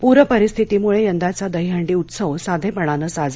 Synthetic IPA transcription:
puɾəpəɾist̪ʰit̪iːmuɭejənd̪ʱat͡sad̪əɦjɦəɳɖiːut̪səʋsad̪ʱepəɽ̃anəːsad͡z

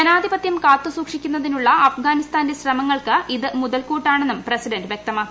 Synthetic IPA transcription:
ɐnaːd̪ʱibɐt̪jɐmkaːt̪ːɨsuːkʂikʲːunːɐðinuɭːɐɐfɡaːnist̪aːndeɕrɐmɐŋːɐɭkɨiðɨmuðɐlkuːʈːaːɳenːumprɐsidɐndɨʋjek̚t̪ɐmaːkː

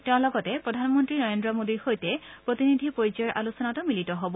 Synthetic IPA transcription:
tɛʊ̃lɔɡɔtɛppɹɔdʱanmɔntɹinɔɹendɹɔmodiɹxojtɛpɹot̪inid̪ʱipoɹizɔjɔɹʔa̰lusɔnatɔmilitɔɦɔbɔ

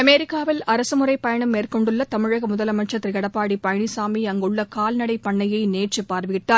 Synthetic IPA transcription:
ɐmeːɾɪkːaːʋɪlɐɾɐsɯmʊrɐɪpːɐjɐɳɯmːeːrkɔɳɖɯɭːɐt̪ɐmɪɻɐɣɐmʊðɐlɐmɐʈt͡ʃɐt̪ːɾɯkɐɽɐpːaːɽipɐjɳisaːmiɐŋɡɯɭːɐkaːlnɐɽɐɪpːɐɳːɐjɐɪneːʈt͡ʃɯpːaːɾʋɯɣɪʈːaː

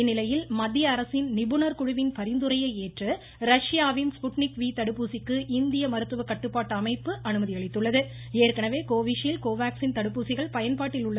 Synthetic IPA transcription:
ɪnːɪlɐjɪlmɐd̪ːjɐːɾɐsɪnnɪbɯnɐɾkʊɻʊʋɪnpɐɾɪnd̪ɯɾɐjɐɪeːʈrɯ | ɾɐʂjaːʋɪnspʊʈnɪkʋiːt̪ɐɽɯpːuːsɪkːɯʔɪnd̪ɪjɐmɐɾɯt̪ːɯʋɐkːɐʈːɯpːaːʈːɐmɐɪpːɯʔɐnɯmɐðɪɐɭɪt̪ːɯɭːɐðɯ | eːrkɐnɐʋeːkoːʋiʂjɪlkoːʋaːksɪnt̪ɐɽɯpːuːsɪɣɐɭpɐjɐnpaːʈːɪlʊɭːɐ

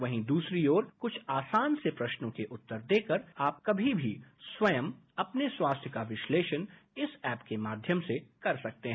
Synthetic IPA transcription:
ʋɐɦĩd̪uːsɾiɔːɾkʊt͡ʃʰaːsaːnsepɾɐʃnõkeʔʊt̪ːəɾd̪eːkəɾaːp̚kɐbʱibʱiswɐjəm | ɐpneswaːst̪ʰjəkaʋɪʃleːʃənɪsɛːpkemaːd̪ʱjəmsekɐɾsɐk̚t̪eɦ

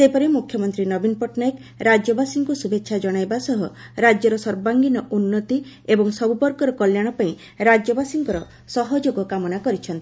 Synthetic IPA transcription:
sepɔɾemukʰjɔmɔnt̪ɾinɔbinpɔʈnajek | ɾad͡ʒjɔbasiŋkusubetːʃʰad͡ʒɔɽ̃ajbasɔɦɔɾad͡ʒjɔɾɔsɔɾbaŋɡinɔʔunːɔt̪i | ebɔŋsɔbupɔɾkɔɾɔkɔljaɽ̃ɔpaĩ | ɾad͡ʒjɔbasiŋkɔɾɔ | sɔɦɔd͡ʒoɡɔkamɔnakɔɾit͡ʃʰɔnt̪i

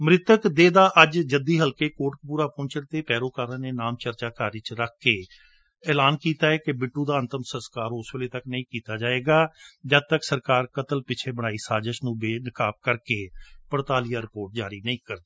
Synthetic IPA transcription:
mɾɪt̪əkd̪eːd̪aːʔəd͡ʒd͡ʒəd̪iːɦəlkeːkoːʈkpuːɾaːpʊ̃ːɲt͡ʃəɽt̪eːpɛːɾoːkaːɾəːneːnaːmt͡ʃəɾt͡ʃaːkaːɾɪt͡ʃɾəkʰːeː | ɛːlaːnkiːt̪aːɛːkebɪʈːuːd̪aːənt̪əmsənskaːɾʊsʋeːleːt̪əknəĩːkiːt̪aːd͡ʒaːeːɡaːd͡ʒəd̪̚t̪əksəɾkaːɾkət̪əlpɪt͡ʃʰeːbəɽ̃aːiːsaːd͡ʒəʃnũːbeːnɪkaːp̚kəɾkeːpəɽt̪aːlijaːɾɪpoːɾʈ̚d͡ʒaːɾiːnəĩːkəɾd̪

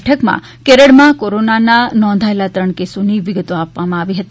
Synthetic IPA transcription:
ʈʰəkmã̰ | keɾəɽmãkoɾonananɔ̃nd̪ʱaelat̪ɾəɳkesoniʋɪɡət̪oapʋamãaʋiɦət̪i

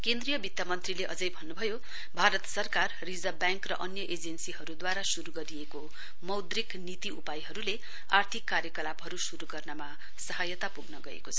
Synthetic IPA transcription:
kend̪rijʌbit̪jamʌnt̪rileʔʌd͡zʌjbʱʌnːubʱʌjo | bʱaɾʌt̪sʌrkarːid͡zʌbjaŋkrʌ̰ʔʌnjʌʔed͡zensiɦʌɾud̪waɾasuɾuɡʌɾijeko | mʌwd̪riknit̪iupajɦʌɾule | a̰rt̪ʰikːaɾjʌkʌlabɦʌɾusuɾuɡʌrnʌma | sʌɦajʌt̪apuɡnʌɡʌḛkot͡sʰʌ

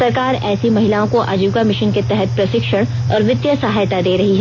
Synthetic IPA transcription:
ɐɾkaːɾɛːsimɐɦɪlaːõkoʔa̰ːd͡ʒuːɡamɪʃənket̪ɛɦɛt̪̚pɾɐsɪkʃəɽ̃ | ɔːɾʋɪd̪jəsɐɦaːjt̪ad̪eːɾɐɦiɦɛ

